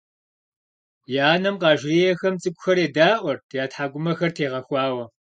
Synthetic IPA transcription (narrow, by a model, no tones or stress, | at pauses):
jaːnɐmqɑːʒrijɛxɐmt͡sʼɨkʷʼʊxɐɾeːdaːʔʷɔrʰjaːtħaːɡʷʊmɐxɐrtʰeːʁɐxʷɑːwɐ